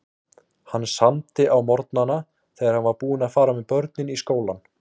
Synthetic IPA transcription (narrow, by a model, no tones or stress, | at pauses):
hanːsamt̪ɪʔawmɔɾt̪nana | θɛːɣaɾhanvaɾpuːɪnaðfaːɾamɛpœɾt̪̚nɪniskoːwlan